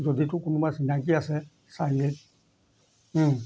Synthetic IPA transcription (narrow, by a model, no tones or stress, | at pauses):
d͡ʒɔdetukunũmãsinak̬iasɛ | saɡe